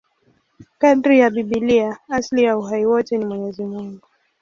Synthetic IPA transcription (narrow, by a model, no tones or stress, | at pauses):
kadɾijaɓiɓiliaaslijauɦaiwɔtɛnimwɛɲɛzimuŋɡu